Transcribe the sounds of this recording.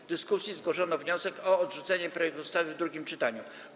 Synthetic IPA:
d̪ɘskusʲjizɡwɔʂɔnɔvɲɔsɛkɔːd̪ʐut̪sɛɲɛpɾɔjɛkt̪ust̪avɘvd̪ɾuɡʲimt͡ʂɘt̪aɲu

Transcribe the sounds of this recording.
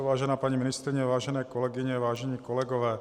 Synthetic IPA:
ʋaːʒɛnaːpaɲiminist̪ɾiɲɛʋaːʒɛnɛːkɔlɛɡiɲɛʋaːʒɛɲiːkɔlɛɡɔʋɛː

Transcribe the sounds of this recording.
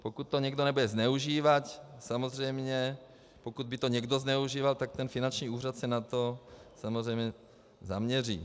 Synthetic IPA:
pokut̪ːoɲɛɡdonɛbudɛznɛuʒiːvacsamozrɛjmɲɛ | pokud̪̚bɪt̪oɲɛɡdo̞znɛuʒiːvalt̪ak̚t̪ɛnfɪnant͡ʃɲiːuːr̝at̪sɛnat̪o̞samozrɛjmɲɛ | za̰mɲɛriː

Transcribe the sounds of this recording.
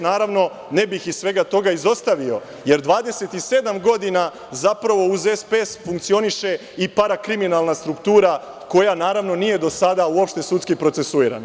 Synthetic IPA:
naːɾaʋno̞ | ne̞bixissʋe̞ɡat̪o̞ɡaizo̞st̪aʋio̞ | je̞ɾd̪ʋaːd̪e̞se̞t̪ise̞d̪amɡo̞d̪ina | zapɾaʋo̞uze̞spesfuŋkt̪sio̞niʃe̞ | ipaɾakɾiminalˠnast̪ɾukt̪uːɾa | ko̞janaːɾaʋno̞nije̞d̪o̞sad̪auo̞pʃt̪e̞sut̪skipɾo̞t̪se̞suiːɾa̰na

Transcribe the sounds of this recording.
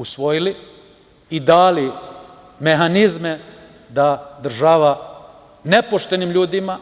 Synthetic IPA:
usʋo̞jili | id̪aːli | me̞ɦanizme | d̪ad̪r̩ʒaʋa | ne̞po̞ʃt̪e̞nimʎuːd̪ima

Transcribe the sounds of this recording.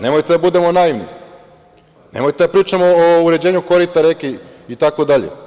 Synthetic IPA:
ne̞mo̞jt̪ed̪abud̪e̞mo̞naiʋnḭ | nḛmo̞jt̪e̞d̪apɾiːt͡ʂamoːuɾe̞d͡ʑeːɲukoɾit̪aɾekiit̪ako̞d̪aʎḛ

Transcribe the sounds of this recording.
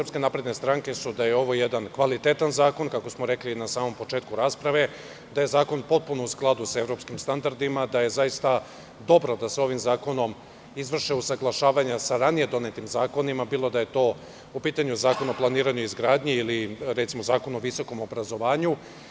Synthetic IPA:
pske̞napɾe̞d̪ne̞st̪ɾaŋke̞sud̪aje̞o̞ʋo̞jed̪ankʋalit̪et̪anzaːko̞nkako̞smoɾe̞klinasaːmo̞mpo̞t͡ʃe̞ːt̪kuɾaːspɾaʋe̞ | d̪aje̞zaːko̞npo̞t̪̚punousklˠad̪usae̞vɾo̞pskimst̪and̪aɾd̪imad̪aje̞zajist̪a | d̪o̞bɾo̞d̪aseo̞ʋimzaːko̞no̞m | izʋr̩ʃeusaɡlˠaʃaːʋaɲasaɾanije̞d̪o̞ne̞t̪imzaːko̞nimabiːlˠo̞d̪aje̞t̪o̞ː | upiːt̪aɲuzaːko̞naoplˠaniːɾaɲuizɡɾaːd̪ɲiiliɾet̪simo̞zaːko̞no̞ʋiso̞ko̞mo̞bɾazo̞ʋaːɲu

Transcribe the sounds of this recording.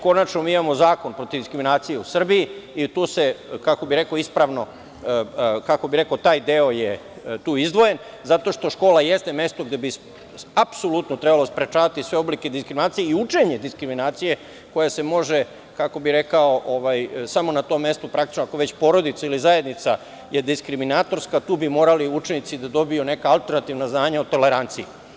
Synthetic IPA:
ko̞nat͡ʃnomiːimamozaːko̞npɾo̞t̪iʋd̪iskɾiminaːt̪sijeusr̩biiit̪uːsekako̞biɾe̞koispɾaːʋno | kako̞biɾe̞kaot̪aːjd̪e̞oje | t̪uːizd̪ʋo̞jen | zat̪o̞ʃt̪o̞ʃko̞ːlajest̪e̞me̞st̪o̞ɡd̪ebi | apsolut̪not̪ɾebalo̞spɾet͡ʃaːʋat̪isʋe̞o̞bliked̪iskɾiminaːt̪sijeiut͡ʂe̞ɲe̞d̪iskɾiminaːt̪sije̞ | ko̞jase̞mo̞ʒe | kako̞biɾe̞kao̞ʔoʋajsamo̞nat̪o̞ːmːe̞st̪upɾak̚t̪i̥t͡ʃnoakoʋe̞t͡ɕpo̞ɾo̞d̪it̪sailizaje̞d̪nit̪sa | jed̪iskɾiminat̪o̞ɾskat̪uːbimo̞ːɾaliut͡ʃenit̪sid̪ad̪o̞bijune̞kaalˠt̪e̞ɾnat̪iʋnaznaːɲaot̪o̞le̞ɾant̪sii

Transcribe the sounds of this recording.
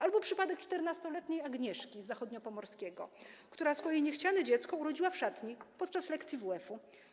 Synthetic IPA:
ʔalbɔpʂɘpad̪ɛk̚t͡ʂt̪ɛɾnast̪ɔlɛt̪ɲejaɡɲɛʂkʲizaxɔd̪ɲɔpɔmɔɾskʲɛɡɔ̰kt̪uɾasfɔjɛɲɛxt͡ɕanɛd͡ʑɛt̪skɔuɾɔd͡ʑiwafʂat̪ɲipɔt̪̚t͡ʂaslɛkt̪sʲjivuɛfu

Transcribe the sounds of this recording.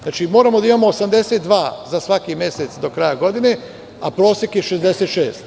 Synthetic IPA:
at͡ʃimo̞ːɾamo̞d̪aimaːmoːsamd̪e̞set̪d̪ʋaːzasʋakimʲje̞set̪sd̪o̞kɾajaɡo̞d̪ine̞ | apɾo̞ːsekjeʃezd̪e̞set̪ʃeːst̪

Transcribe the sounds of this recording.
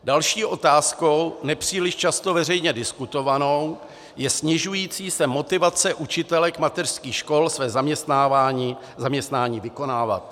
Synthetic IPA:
dalʃiːʔo̞t̪aːsko̞wnɛpr̥iːlɪʃt͡ʃast̪ovɛr̝ɛjɲɛdɪskut̪o̞vano̞w | jɛsɲɪʒujiːt͡siːsɛmo̞t̪ɪvat͡sɛʔut͡ʃɪt̪ɛlɛkmat̪ɛr̥skiːxʃko̞lsvɛːzamɲɛst̪naːvaːɲiː | zamɲɛst̪naːɲiːvɪko̞naːva̰t̪̚

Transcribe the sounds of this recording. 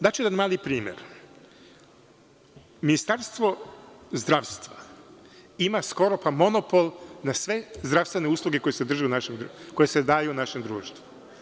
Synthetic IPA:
d̪at͡ʃujed̪anmaːlipɾiːmjḛɾ | minist̪aɾst̪ʋo̞zd̪ɾaːʋst̪ʋa | imasko̞ɾopamo̞nopo̞lˠnasʋe̞zd̪ɾaʋst̪ʋe̞neuːslˠuɡeko̞jesed̪r̩ʒeunaʃemko̞jesed̪aːjunaʃe̞md̪ɾuːʃt̪vʋu

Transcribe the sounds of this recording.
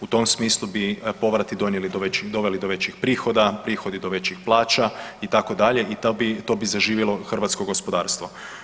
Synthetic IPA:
ut̪o̞msmiːslˠubipo̞ʋɾat̪id̪onjelid̪oʋed̪o̞ʋelid̪oʋe̞t͡ɕixpɾiːxo̞d̪apɾiːxo̞d̪id̪oʋe̞t͡ɕixplˠaːt͡ʃait̪ako̞d̪aʎe̞ʔit̪bit̪o̞ːbizaʒiːʋjelˠo̞xr̩ʋat̪skoɡo̞spo̞d̪aːɾst̪ʋo

